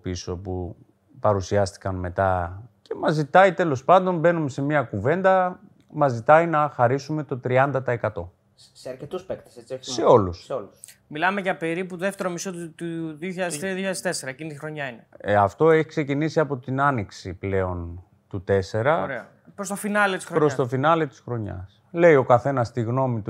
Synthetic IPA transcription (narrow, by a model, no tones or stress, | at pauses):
piso̞pu | pɐɾusiɐst̪i̥kɐnme̞t̪ɐce̞mɐzit̪ɐit̪e̞lo̞spɐnd̪o̞nbe̞nume̞se̞miɐkuve̞nd̪ɐ | mɐzit̪ɐinɐxɐɾisume̞t̪o̞t̪ɾiɐnd̪ɐt̪ɐe̞kɐt̪o̞ | seɐɾcet̪uspekt̪e̥sese̞o̞lusolus | milɐmeʝɐpeɾiput̪oðeft̪e̞ɾomisot̪t̪uðioçiʎɐðeðoçɐðest̪eseɾɐecinit̪ixɾo̞ɲɐineɐft̪o̞e̞çi̥kse̞cinisiɐpo̞t̪inɐniksiple̞o̞n | t̪ut̪e̞se̞ɾɐɾeɐ | pɾost̪ofinɐlet̪isɾopɾosst̪o̞finɐlet̪i̥sxɾo̞ɲɐ̰s | le̞io̞kɐθe̞nɐst̪iɣno̞mit̪u